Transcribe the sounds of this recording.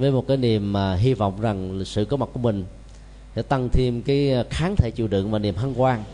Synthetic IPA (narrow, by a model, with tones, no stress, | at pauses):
vəː˨˦jmo˨˩t̚kaː˨˦jni˨˩əmːaː˨˩ɦi˧vɔ̰˧˨wŋ͡mza˨˩ŋsɨ̰˧˨kɔ˨˦ma˨˩t̚ku˧˩əmï˨˩ŋ̟ | sɛ̰˧˦t̪a˧ŋt̪ʰi˧əmkaː˨˦jxaː˨˦nt̪ʰe˧˩˦t͡ɕi˧˩wɗɨ̰˧˨əŋmaː˨˩ni˨˩əmɦə˧nkwaː˧ŋ